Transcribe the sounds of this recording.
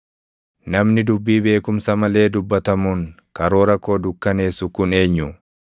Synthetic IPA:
nɐmnɪd̪ʊbːiːbe̞ːkʊmsɐmɐle̞ːd̪ʊbːɐt̪ɐmuːŋ | kɐɾo̞ːɾɐkːo̞ːd̪ʊkːɐne̞ːsʊkʊne̞ːɲːʊ

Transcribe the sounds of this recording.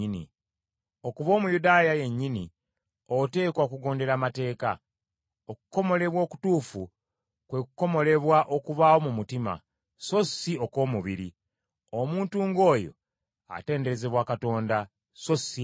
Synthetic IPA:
inḭ | o̞kuβo̞ːmujudaːjaje̞ɲːini | ote̞ːkwaːkuɡo̞ːnde̞ɾamate̞ːka̰ | oku̥ko̞mo̞le̞βwo̞ːku̥tuːfu | kwe̞kuko̞mo̞le̞βwaʔo̞kuβaːwo̞mumutima̰ | so̞sio̞ko̞ːmuβiɾḭ | omuːntuːŋɡo̞ːjo̞̰ | a̰te̞ːnde̞ɾe̞ze̞βwakato̞ːnda | so̞si

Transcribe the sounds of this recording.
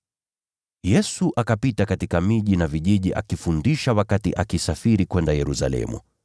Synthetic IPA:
jɛsuʔakapitakatikamiʄinaviʄiʄiʔa̰kifundiʃawakatḭʔakisafiɾikwɛndajɛɾusa̰lɛ̰mṵ

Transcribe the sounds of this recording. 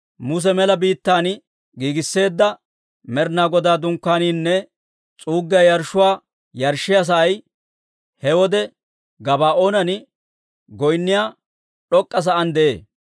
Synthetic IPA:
mʊs̬ɛmɛlɐbiːt̪ːaːn | ɡiːɡɪsːe̞ːd̪ːɐ | mɛɾnaːɡɔd̪aːd̪ʊŋkːaːniːnːɛ | t͡sʼuːɡːɐjɐɾʃʊwaː | jɐɾʃːɪjɐs̬ɐʔɐj | hɛwɔd̪ɛ | ɡɐbaːʔoːnɐnɪ | ɡɔjnːɪjaː | ɗɔkʼːɐs̬ɐʔɐnd̪ɛʔḛː

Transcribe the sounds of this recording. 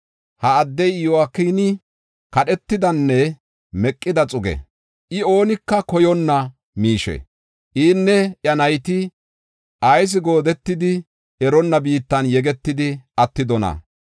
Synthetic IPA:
hɐːd̪ːɛjɪjɔwakːiːnɪ | kɐɗɛt̪ːɪd̪ɐnːɛ | mɛkʼːɪd̪ɐt͡sʼʊɡɛ̰ | ʔɪo̞ːnɪkːɐkɔjɔnːɐ | miːʃɛ̰ | ʔiːnːɛʔjɐnɐjt̪ɪ | ʔɐjs̬ɪɡo̞ːd̪ɛt̪ːɪd̪ɪ | ɛɾɔnːɐbiːt̪ːɐnjɛɡɛt̪ːɪd̪ɪʔɐt̪ːɪd̪ɔnɐ̰

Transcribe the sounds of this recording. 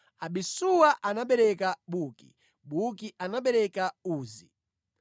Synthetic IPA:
aɓisuwaʔanaɓɛɾɛkaɓuki | ɓukiʔanaɓɛɾɛkauːzi

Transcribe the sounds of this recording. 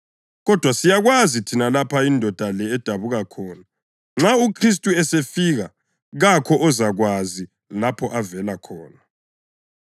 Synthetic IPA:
ɣɔd̥ʱwasijaɣwazitʰinalapʰaindʱɔd̥ʱalɛːd̥ʱaβuɣakʰɔːna | ŋ͡ǁaukʰris̬tʼuɛsefiɣa | ɣakʰɔʔɔzaɣwazi | lapʰɔʔavɛlakʰɔːna

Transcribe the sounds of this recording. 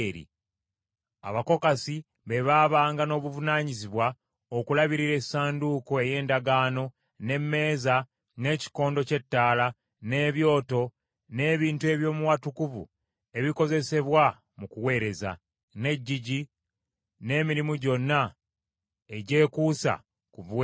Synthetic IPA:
ɾḭ | a̰βako̞kasi | βe̞βaβaːŋɡano̞ːβuvunaːɲiziβwa | okulaβiɾiɾe̞saːnduko̞e̞je̞ːndaɡaːno̞ | ne̞mːe̞ːza | ne̞ːci̥ko̞ːndo̞ce̞tːaːla | ne̞ːβjo̞ːto̞ | ne̞ːβiːntue̞βjo̞ːmuwatukuvṵ | e̞βiko̞ze̞se̞βwa | mukuwe̞ːɾe̞za̰ | ne̞ɟːiɟi | ne̞ːmiɾimuɟo̞nːa | e̞ɟe̞ːkuːsa̰ | kuβwe

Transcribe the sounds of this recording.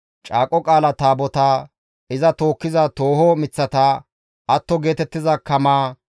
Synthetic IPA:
t͡ʃʼaːkʼɔkʼaːlɐt̪aːbɔt̪aː | ɪzɐt̪o̞ːkːɪzɐt̪oːhoːmɪt͡sːɐt̪aː | ɐt̪ːɔɡe̞ːt̪ɛt̪ːɪzɐkɐmaː

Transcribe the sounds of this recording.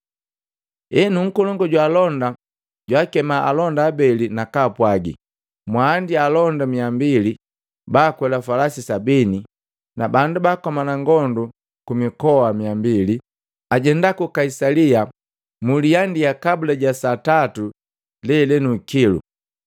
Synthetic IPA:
ɛnuŋ̩kɔlɔŋɡɔɟwaːlɔnda | ɟwaːkɛmaʔa̰lɔndaːbɛlinakaːpwaɡḭ | mwaːndialɔndamiambili | baːkwɛlafalasisabini | nabandubaːkɔmanaŋɡɔndu | kumikɔwamiambili | aɟɛndakukaisalia | mulijandijakabulaɟasatatu | lɛlɛnukilṵ

